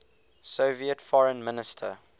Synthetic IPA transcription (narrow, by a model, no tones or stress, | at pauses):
soviətfɔɹə̃nmɪnɪstʰə̰